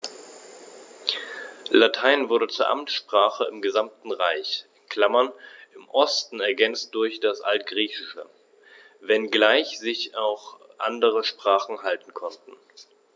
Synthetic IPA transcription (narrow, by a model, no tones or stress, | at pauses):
latʰaɪnvʊɐdət͡suːɐʔa̰mtʃpʁ̥aːχəɪmɡəzamtn̩ʁaɪçɪkʰl̥amɐnʔɪmʔɔstn̩ɛɐɡɛnt͡st̚d̥ʊɐçd̥asʔa̰ltɡ̥ʁiːçɪʃə̰ | vɛnɡlaɪçz̥ɪçaʊxʔa̰ndəʁəʃpʁ̥aːχn̩ɦaltn̩kʰɔntn̩